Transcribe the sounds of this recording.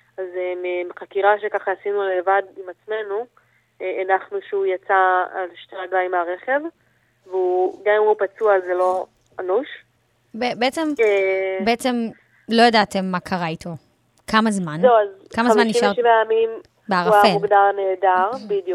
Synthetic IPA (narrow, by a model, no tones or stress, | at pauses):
azememeχakiʁaʃekaχaasinulevadimat͡sme̞nu | eʔanaχnuʃeujat͡saalʃteaɡlaimaʁeχe̞v | veuɡamimupat͡suazelo̞ | anuʃ | bebeet͡sembeet͡se̞m | lo̞jadat̪emːakʰaʁaitʰo̞ | kʰamazmanzewazkamazmaniʃaʁʃivajamim | beaʁuafmeuɡd̪alaneːdaʁbid̪ju